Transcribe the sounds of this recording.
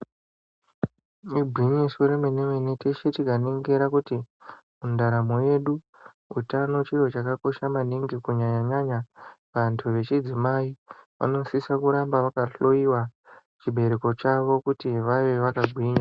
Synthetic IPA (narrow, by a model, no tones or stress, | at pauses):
ibʱiɲisuɾemenemenetʰeʃetikaneŋɡeɾakuti | mundaɾamo̞je̞ɗu | utano̞t͡ʃijo̞t͡ʃakako̞ʃamaniŋɡikuɲaɲaɲaɲaʋantʰuʋe̞t͡ʃid͡zimaiʋa̰no̞sisakuɾambaʋakaɬo̞iwa | t͡ʃiɓʱe̞ɾe̞ko̞t͡ʃaʋo̞kutiʋaʋeʋakaɡʱwiːɲa